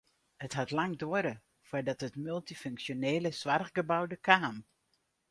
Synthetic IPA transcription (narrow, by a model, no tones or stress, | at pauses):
həthatlɑŋdoəɾə | fʊdɑtɦətmylˠtiføŋksjoneːləsʋarɣɡəbawdəkaːn